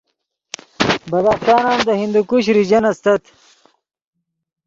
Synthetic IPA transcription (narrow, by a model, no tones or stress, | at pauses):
bɐd̪aːχɕaːnaːnd̪əhind̪ukuɕɾid͡ʑɐnɐst̪ɐt̪